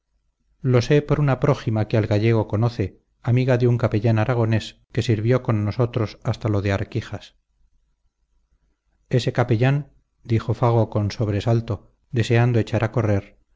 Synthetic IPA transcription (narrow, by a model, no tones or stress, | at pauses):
lo̞se̞po̞ɾunapɾo̞ximakealɣaʝe̞ɣ̞o̞ko̞no̞θe̞ | amiɣaðeuŋkape̞ʎanaɾaɣ̞o̞ne̞ske̞siɾβjo̞ko̞nːosot̪ɾo̞sast̪alo̞ðe̞aɾkiχas | e̞se̞kapeʎan | d̪ixo̞faɣ̞o̞ko̞nso̞β̞ɾe̞salt̪o̞ | d̪e̞se̞and̪oe̞t͡ʃaɾako̞re̞ɾ